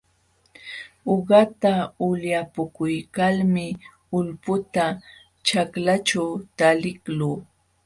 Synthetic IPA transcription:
oɢɑt̪aʊljapʊkʊjkalmɪ | ʊlpʊt̪a | t͡ʃaklat͡ʃawt̪alɪkluː

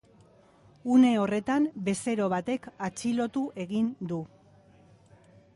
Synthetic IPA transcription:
une̞o̞re̞t̪ambe̞se̞ɾo̞βat̪e̞kat͡silo̞t̪uʔe̞ɣind̪u

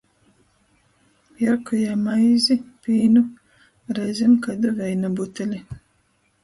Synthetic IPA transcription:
jaɾkujamajzipiːnu | ɾɛzʲemkad̪avʲɛjnabut̪elʲi

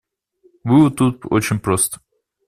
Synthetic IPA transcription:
vɨʊt̪ːut̪̚o̰t͡ɕɪnʲpɾost̪ə̥

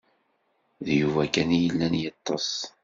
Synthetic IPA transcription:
ðjuvækænjəlːænjɑt̪ˤːɑsˤ

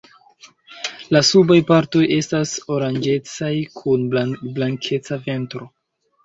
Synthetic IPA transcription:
lasubajpaɾto̞je̞staso̞ɾand͡ʒe̞t͡sajkʰunblaŋkʰe̞t͡save̞ntɾo̞

